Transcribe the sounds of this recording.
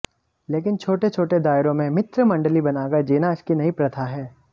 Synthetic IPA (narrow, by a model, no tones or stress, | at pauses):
leːkɪnt͡ʃʰoːʈet͡ʃʰoːʈed̪aːɪɾõmẽmɪt̪ɾəmɐ̃ɳɖəlibɐnaːɡad͡ʒeːnaɪskinɐipɾɐt̪ʰaɦɛː